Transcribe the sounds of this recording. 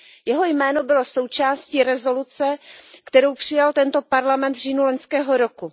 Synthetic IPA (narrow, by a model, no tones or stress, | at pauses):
jɛɦo̞jmɛːno̞bɪlo̞so̞wt͡ʃaːsciɾɛzo̞lut͡sɛkt̪ɛɾowpr̝̥ɪjalt̪ɛnt̪o̞paɾlamɛnt̪vriːnuloɲskɛːɦo̞ɾo̞ku